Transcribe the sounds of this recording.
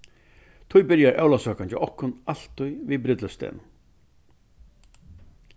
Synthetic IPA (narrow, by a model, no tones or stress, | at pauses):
t̪ʰʊjbɪɾjaɾʔɛ̰wlasœːkant͡ɕɪ̰ʔɔhkːʊnal̥t̪ːʊjviːbɾɪt̪ləst̪ɛ̰ːnʊm